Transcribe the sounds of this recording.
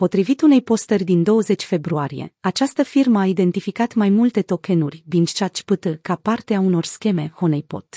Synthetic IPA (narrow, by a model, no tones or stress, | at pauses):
po̞t̪ɾivit̪une̞jpo̞st̪erʲd̪ind̪o̞wəze̞t͡ʃʲfe̞bɾuaɾije̞̰at͡ʃast̪əfirməaid̪e̞nt̪ifikat̪majmult̪e̞t̪o̞ke̞nurʲbint͡ʃat͡ʃpɨt̪ɨkapart̪eauno̞rskʲe̞me̞ho̞nejpo̞̰t̪